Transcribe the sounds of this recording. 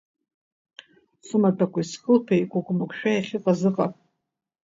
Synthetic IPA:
sumatʰakʷʰʼaiskʼɨlpʰejkʷaɡʷʼmakʷʃᶣajaχʲɪqʼazɨqʼapʼ

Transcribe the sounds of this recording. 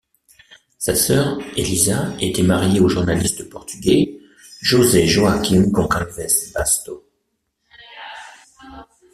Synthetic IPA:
sasœʁelizaet̪ɛmaʁjeoʒuʁnalist̪əpɔʁt̪yɡʲɛ | ʒozɛʒoakʲimkɔ̃kalvɛsbast̪o

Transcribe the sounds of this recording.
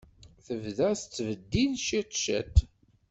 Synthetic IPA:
θəvðæst͡sːvəd̪ːiðʃit̪ˤʃæ̰t̪

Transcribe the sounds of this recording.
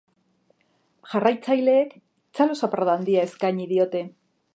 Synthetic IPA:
ʝarajt͡sajle̞ːk | t͡salo̞sapɾoðand̪iae̞skaɲiðio̞t̪e̞

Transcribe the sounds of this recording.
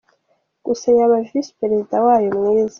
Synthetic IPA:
ɡ̥usajaβavvispeɾezidawaːjomŋiɾiza

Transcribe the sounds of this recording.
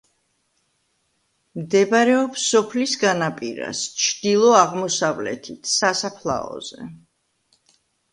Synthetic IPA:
md̪ɛbaɾɛɔpsɔpʰlisɡanapʼiɾa̰st͡ʃʰd̪̥ilˠɔaʁmɔsavlɛ̰t̪ʰit̪ʰsasapʰlˠa̰ɔ̰z̥ɛ̰

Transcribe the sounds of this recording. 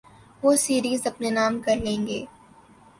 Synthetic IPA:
ʋoːsiːɾiːzɐpnenaːmkɐɾlẽːŋɡḛː

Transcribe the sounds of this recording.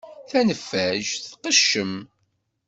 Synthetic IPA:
θænəfːæʒθqəʃːəm

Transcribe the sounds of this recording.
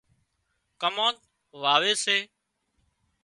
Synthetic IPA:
kəmõːt̪ | ʋaːʋeːseː

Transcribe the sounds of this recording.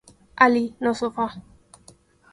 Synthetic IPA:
alinɔsʊfa

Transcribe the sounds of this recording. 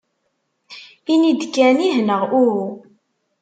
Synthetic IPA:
inid̪kːæniɦnəʁuɾu

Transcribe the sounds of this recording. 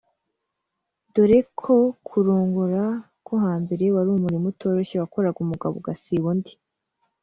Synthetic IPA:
doɾekʰokʰuɾoːŋɡuɾa | kʰoɦaːmbe̞ɾe̞waɾumuɾimuto̞ːɾo̞ɕewako̞ɾaɡumuɡa̰βoɡasiβondi̥

